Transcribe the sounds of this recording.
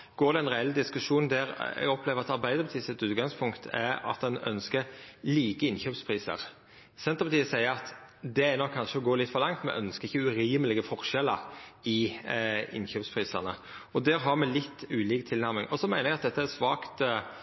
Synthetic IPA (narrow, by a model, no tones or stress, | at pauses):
ɡ̥oːɾd̪ɛɛnʁɛɛld̪ɪskʉʂuːnd̪æɾɛ̰ɡɔpʰleːʋəɾɑt̪ɑɾbæɪd̪əɾbɛt̪ʰiːsɪt̪ʉːt̪̚ɡɑŋspʰʊŋkt̪ʰɛɾɑ̰t̪̚d̪ɛnœ̰nskəɾliːkəɪnçøːpspʰʁiːsə̰ɾ | sɛnt̪əɾpʰɑt̪ʰiːəsæɪəɾɑt̪d̪ɛæɾnɔkʰːɑnʂəɔɡoːlɪt̪fɔlɑŋt̪mɛ̰ʔœnskəɾɪçːəʉɾiːməlɪɡəfɔɾʂɛlːəɾɪ | ɪ̰nçøːpspʰɾiːsəʁnə | ɔd̪æːɾɦɑɾmɛlɪt̪ːʉːliːkt̪ʰɪlnæɾmɪŋʔɔsɔmæɪnəɾɛɡɑt̪̚d̪ɛt̪ːəæsʋɑːkt̪